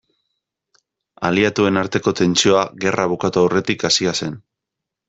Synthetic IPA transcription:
a̰liat̪ue̞naɾt̪e̞ko̞t̪e̞nt͡ʃio̞aɣe̞rʔaβ̞ukat̪uawre̞t̪ikasiase̞n

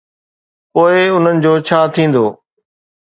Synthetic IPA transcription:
poːɪʊn̤ənɪ̆d͡ʑoːt͡ɕʰaːt̪ʰĩːn̆d̪o̰ː

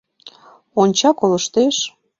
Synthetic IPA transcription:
onʲt͡ɕɑkoləʃt̪eʃ

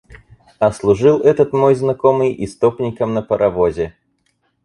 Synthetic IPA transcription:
ɐslˠʊʐɨlˠɛt̪ət̪mojznɐkomɨjist̪opnʲɪkəmnəpəɾʔɐvozʲɪ

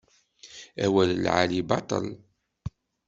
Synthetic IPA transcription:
æwællʕa̰libɑt̪ˤə̰l

